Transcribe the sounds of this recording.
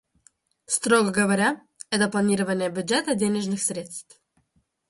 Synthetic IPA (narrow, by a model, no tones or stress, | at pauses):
st̪ɾoɡəɡəvɐɾʲa | ɛt̪əplˠɐnʲiɾəvənʲɪjəbʲʉdʐɛt̪ədʲenʲɪʐnɨxsʲɾʲe̞t̪st̪f